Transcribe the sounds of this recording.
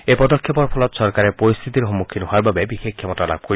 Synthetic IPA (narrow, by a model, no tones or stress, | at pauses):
epɔd̪ɔkʰːjepɔɾpʰɔlɔt̪ɔsɔɾkaɾepɔɾist̪ʰit̪iɾɦɔmːukʰːinɔɦoaɾbabebixekʰːjɔmɔtala̰b̚kɔɾi